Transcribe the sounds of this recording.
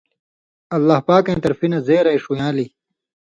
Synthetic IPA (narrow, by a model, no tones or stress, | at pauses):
ɐlːaːhpaːkẽːt̪ɐɾfinɐzeːɾɐjʂujãːli